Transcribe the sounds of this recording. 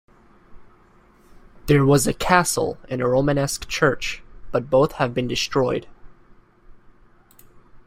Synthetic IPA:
ðə˞wʌzɨkʰæsl̩ˠɨ̃nəɹõʊ̃mɨnɛskt͡ʃʰɜ˞t͡ʃb̥ʌt̚b̥oʊθhɨvbɨ̃ndɨstɹ̥ɔɪd̥

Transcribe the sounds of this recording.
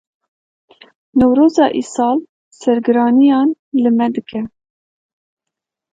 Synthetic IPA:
nɛwɾoːzɑːʔḭːsɑːl | sɛɾɡɨɾɑːnijɑːnlɨmɛd̪ɨkʰɛ

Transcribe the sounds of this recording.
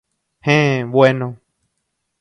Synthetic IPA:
hẽβwenõ

